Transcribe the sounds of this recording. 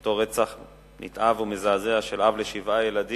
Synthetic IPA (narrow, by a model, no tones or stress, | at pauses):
toʁet͡saχ | nḭt̪ʔavumezaːzeaʃelavleʃivʔajelad̪i